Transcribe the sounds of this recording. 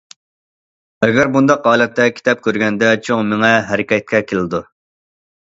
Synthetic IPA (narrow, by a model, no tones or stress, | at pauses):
ɛɡʲæɾbund̪ɑqʁɑːlˠɛt̪ʰːɛkʲʰi̥t̪ʰɛp̚kʲøɾɡʲɛnd̪ɛt͡ʃʰoŋmɪŋɛɦɛɾɪkʲɛt̪̚kʲɛkʲʰelɪd̪u